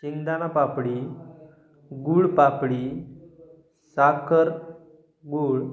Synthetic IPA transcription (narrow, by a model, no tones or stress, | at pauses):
t͡ɕind̪anapapɽi | ɡuːɭpapɽi | sakəɾ | ɡuːɭ